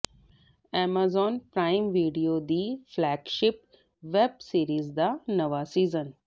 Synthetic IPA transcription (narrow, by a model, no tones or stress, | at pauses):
ɛːmaːzɔːnpɾaːɪmʋiːɖijoːd̪iːflɛːɡʃɪp | ʋebsiːɾiːzd̪anəʋasiːzən